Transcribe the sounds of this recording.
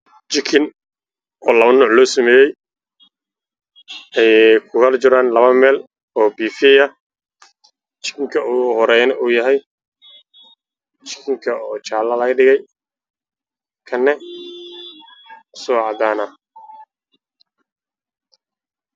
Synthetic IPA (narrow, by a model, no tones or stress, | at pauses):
t͡ʃɪkʰɪn | ɔːlɐβɐnɔːʕlɔːsɐmɛːjɛj | ɛjkʰʊɣɐlt͡ʃɪɾaːnlɐβɐmɛːl | ɔːbiːfiɐ | t͡ʃɪ̥kʰɪŋkʰɐuɦɔɾɛjnɐʔuːjɐɦɛj | t͡ʃɪ̥kʰɪŋkʰɐɔːt͡ʃaːlɐlɐɣɐɖɪɣɛj | kʰɐnːɛ | sɔʕɑd̪aːnɐ